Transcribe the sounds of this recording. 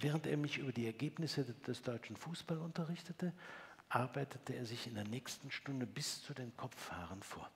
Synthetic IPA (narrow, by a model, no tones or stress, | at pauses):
vɛːʁ̞əntḛːɐmɪçʔyːbɐdiːɛɐɡeːpnɪsəd̥ɛsd̥ɔʏt͡ʃn̩fuːsb̥alʊntɐʁ̞ɪçtətə | ʔaɐbaɪtʰətʰəeːɐzɪçɪndeːɐnɛːçstn̩ʃtʊndəbɪst͡sudeːnkʰɔp͡fːha̰ːʁ̞ənfo̰ːɐ